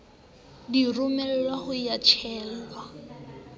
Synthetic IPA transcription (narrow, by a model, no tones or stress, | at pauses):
dirʊmɛl̩lwahʊjat͡ʃʰɛːl̩wa